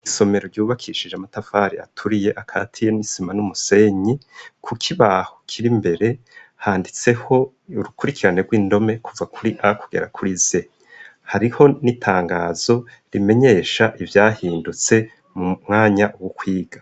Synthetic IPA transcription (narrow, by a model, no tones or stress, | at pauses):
iso̞me̞ɾo̞ɾɟuːβakʰiʃid͡ʒamatafaɾia̰tʰuɾije̞ʔakʰa̰ːtʰije̞nisimanumuse̞ɲikʰukʰiβaho̥kʰiɾimbe̞ɾe̞ | haːndit͡se̞ho̞ | uɾukuɾikʰiɾane̞ɾɡwiːndo̞me̞kʰuvakʰuɾiʔakuɡe̞̰ɾakʰuɾize̞ | haɾiho̞nitʰaːŋɡaːz̥o̞ | ɾime̞ɲe̞ːʃaʔivjaːhiːndut͡se̞ | mumŋaːɲaʔwokʰwiːɡ̥a